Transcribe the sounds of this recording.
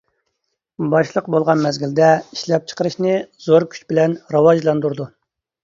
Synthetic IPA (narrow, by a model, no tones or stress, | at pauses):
bɑʃlˠəqbolˠʁɑnmɛzɡʲild̪ɛiʃlɛp̚t͡ʃʰə̥qəɾɨʃnɨz̥oɾkʲʰy̥t͡ʃbɪlɛnɾɑwɑʒlˠɑnd̪uɾd̪u